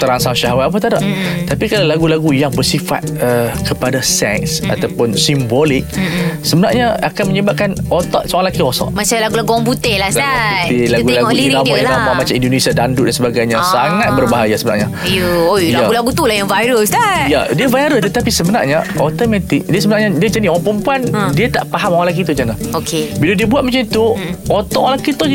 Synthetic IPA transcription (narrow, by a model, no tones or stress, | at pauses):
t̪əɾaŋsaŋʃaɦawat̪̚ap̬ət̪ada̰ʔt̪apikalalaɡulaɡujaŋbərsifa̰t̪̚əkʰəpadasɛk̚sa̰t̪awpʊnsimbolik̚səmənãɲaakanməɲəbap̚kanot̪ɔʔsoaŋlakiosɔ̰ʔmat͡ʃalaɡulaɡuɔŋbut̪elasat̪elaɡulaɡulabɔʔjabaʔmat͡ʃamĩndonisiadandʊʔdansəbaɡajɲasaŋat̪̚bərbaɦajasəmənã̰ʔɲa | uolaaɡulaɡut̪ulahjaŋvajɾəst̪aja̰diəvajaɾət̪ət̪apisəməna̰ʔɲaʔɔt̪omɛt̪ik̚diəsəmənãʔɲadiəd͡ʒadioaŋpəɾəmpuandiət̪a̰ʔpaɦamowalak̬it̪ud͡ʒanaokebiludiəbuwat̪̚mat͡ʃamit̪uot̪ɔʔãlakit̪u